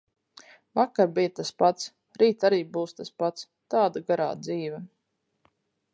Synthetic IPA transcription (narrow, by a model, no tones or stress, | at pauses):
vakːaɾbijat̪aspat̪s | ɾiːt̪aɾiːbuːst̪aspat̪s | t̪aːd̪aɡaɾa̰ːd̪ziːvɛ